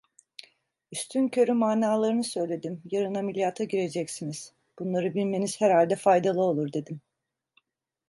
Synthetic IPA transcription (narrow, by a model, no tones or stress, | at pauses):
yst̪ʰyncʰø̞ɾymaːnaːlˠaɾɯnɯsø̞jlʲe̞d̪imjaɾɯnamilʲjaːt̪ʰaɟiɾe̞d͡ʒɛcsiniz̥ | b̥unlˠaɾɯbilʲme̞niz̥hæɾhalʲd̪ɛfajd̪alˠɯo̞lˠuɾd̪ed̪im